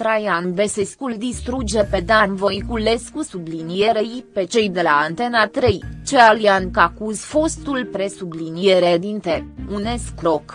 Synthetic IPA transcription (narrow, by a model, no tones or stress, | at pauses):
t̪ɾajanveseskuld̪ist̪ɾud͡ʒe̞pe̞d̪anvo̞jkule̞skusublinieɾejpe̞t͡ʃe̞jd̪e̞laːnt̪e̞nat̪ɾejt͡ʃealiankakuzfo̞st̪ulpɾe̞sublinieɾed̪int̪eune̞skɾok